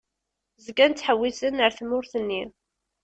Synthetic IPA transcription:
zəɡænt̪t͡sːħəwːisənːəɾθmʊɾθənːi

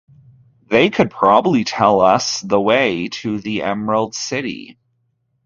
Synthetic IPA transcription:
ðeɪkʰɨd̚pʰɹ̥ɑbəblitʰɛlˠʌsðəweɪɾɨðiʔɛ̰mɹəl̩ˠd̥sɪɾḭ

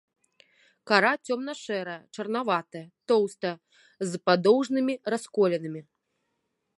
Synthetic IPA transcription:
kaɾat͡sʲɔmnɐʂɛɾɐjɐt͡ʂɐrn̪avat̪ɐjɐt̪ɔwst̪ɐjɐ | zpad̪ɔwʐnɨmʲiɾaskɔlʲɛnɨmʲi

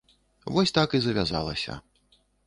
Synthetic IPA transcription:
vɔsʲt̪akizɐvʲaza̰lˠɐ̰sʲɐ̰

